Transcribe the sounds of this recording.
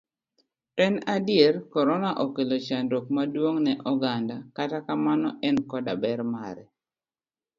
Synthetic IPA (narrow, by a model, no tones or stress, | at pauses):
tɛnadɪjerkɔɾɔnaʔokelot͡ʃanɾok̚madwoŋnɛʔɔɡandakatakamanɔʔɛnkɔda̰bɛɾmaɾɛ